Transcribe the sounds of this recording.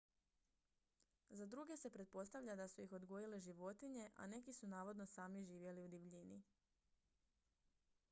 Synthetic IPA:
zad̪ɾuɡe̞se̞pɾe̞t̪̚po̞st̪aʋʎad̪asuixo̞d̪ɡo̞jileʒiʋo̞t̪iɲe̞ʔa̰ne̞kisunaːʋo̞d̪no̞saːmiʒiːʋje̞liud̪iʋʎini

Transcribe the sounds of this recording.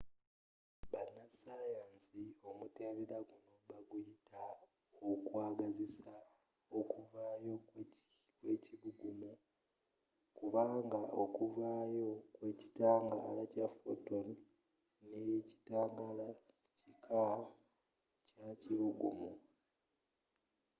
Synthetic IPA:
βanːasajaːnsio̞mute̞ːɾeɾaɡuno̞βaɡujita | okwaːɡazisa | okuvaːjo̞ | kweːciβuɡumu | kuβaːŋɡaʔo̞kuvaːjo̞kwe̞ci̥taːŋɡalacafo̰ton | neci̥taːŋɡala | cikʰawa | caciβuɡumu

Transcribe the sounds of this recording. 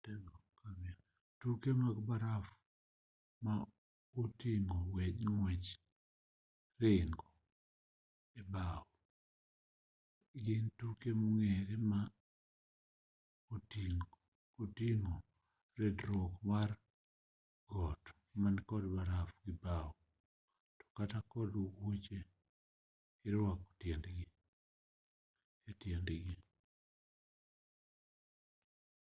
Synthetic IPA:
tɛŋɔkamia | tukemaɡbaɾaf | ma | otiŋowed͡ʒŋwet͡ʃ | reŋɡɔ | ebawɔ | ɡɪntukemoŋeɾema | otiŋɡo | otiŋo | ɾedɾokmar | ɡɔt | mankɔdbaɾafɡɪbaɔ | tɔ̥katakɔdowot͡ʃe | iɾwako̥tjɛndɡɪ | etjɛndɡɪ

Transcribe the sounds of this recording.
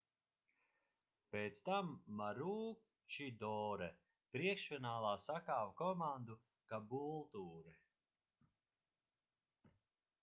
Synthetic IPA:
peːt̪st̪amːaɾuː | t͡ʃid̪ɔːɾɛ | pɾiɛkʃfʲinaːlˠaːsakaːwkɔmand̪u | kabulˠt̪uːɾɛ

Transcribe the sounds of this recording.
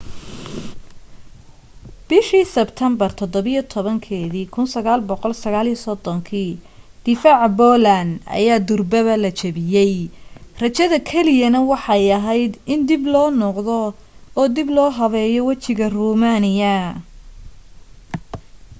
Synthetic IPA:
b̥ɪʃiːsɛbt̪ʰɐmbɐrt̪ʰɔd̪ɔβijɔt̪ʰɔβɐŋkʰɛːðiːkʰʊnsɐɣaːlbɔqɔlsɐɣaːlisɔd̪ɔŋkʰiːd̪̥ɪfaːʕbɔlɐnɐ̰jaːd̪ʊrbɐβɐlɐt͡ʃʰɐβɪjɛjrɐt͡ʃɐðɐkʰɛlɪjɐnɐwɑħɑjɐɦɛjd̪ɪnd̪ɪblɔːnɔqðɔː | d̪iblɔːɦɐβɛːjɔwɑt͡ʃɪɣɐruːmaːnɪjɐ

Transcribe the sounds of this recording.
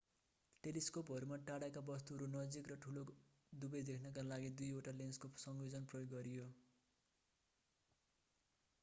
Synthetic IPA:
ʈeliskopɦʌɾumaʈaɽakabʌst̪uɦʌɾunʌd͡zikrʌʈʰulo | d̪ubʌjd̪ekʰnʌkalaɡid̪ujoʈalenskosʌŋbid͡zʌnprʌjoɡːʌɾijo

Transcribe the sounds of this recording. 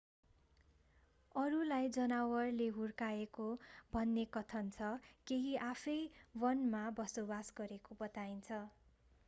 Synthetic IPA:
ʌɾulajd͡zʌnawʌrleɦurkaekobʱʌnːekʌt̪ʰʌnt͡sʰʌkeɦiʔapʰʌjwʌnmabʌsobasɡʌɾekobʌt̪aint͡sʰʌ

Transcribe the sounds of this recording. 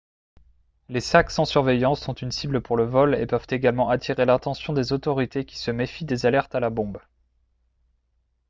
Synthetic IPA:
lesaksɑ̃syʁvejɑ̃sːɔ̃t̪ynsibləpuʁləvɔlḛpœv̥t̪eɡalmɑ̃ʔat̪ʰiʁelɛ̃t̪ɑ̃sjɔ̃d̪ezot̪ɔʁit̪ekʲi̥səmefid̪ezalɛʁt̪alabɔ̃b

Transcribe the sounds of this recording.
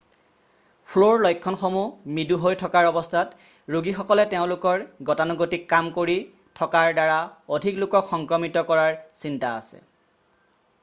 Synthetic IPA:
pʰloɹlɔjkʰːɔnxomumiduɦojtʰɔkaɹɔbɔstʰat | ɹuɡixɔkɔlɛteʊ̃lʊkɔɹɡɔtanɔɡotikːamkoɹi | tʰɔkaɹdaɹaodʱiklʊkɔkxɔŋkɹɔmitɔkɔɹaɹsintaa̰sɛ̰

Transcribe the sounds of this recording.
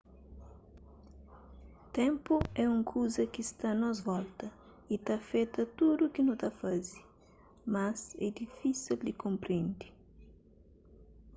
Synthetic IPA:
t̪ẽmpʊɛũŋkʰuzɐkɪst̪anɔzvɔlt̪ɐ | it̪afet̪ɐt̪ud̪ukɪnũt̪afazi | mɐzɛ̰d̪ifisild̪ɪkõmpɾẽnd̪i̥

